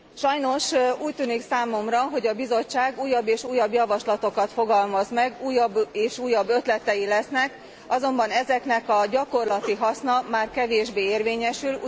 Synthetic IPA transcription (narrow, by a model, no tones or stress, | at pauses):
ʃɒjno̞ʃuːc̚t̪yːniksaːmo̞mrɒɦo̞ɟɒbizo̞t͡ʃːaːɡuːjːɒbːeːʃuːjːɒbjɒvɒʃlɒt̪o̞kɒt̪fo̞ɡɒlmɒzmɛɡuːjːɒbeːʃuːjːɒbːø̞t̪lɛt̪ɛjilɛsnɛk | ɒzo̞mbɒnɛzɛkn̪ɛkɒɟɒko̞rlɒt̪iɦɒsnɒmaːrkɛveːʒbeːeːrveːɲɛʃyl